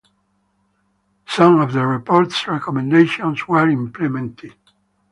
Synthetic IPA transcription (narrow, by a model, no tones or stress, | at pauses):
sʌ̃mɔvðəɹipʰɔɹtsɹɛkɔmɛ̃ndeʃɔ̃nswəɹĩmplɛmɛ̃ntʰɪd̥